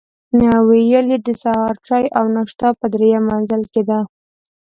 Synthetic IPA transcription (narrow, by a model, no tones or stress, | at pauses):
nawejəlid̪əsahɑɾt͡ʃɑjʔawnaʂt̪ɑpəd̪ɾejamanzəlked̪a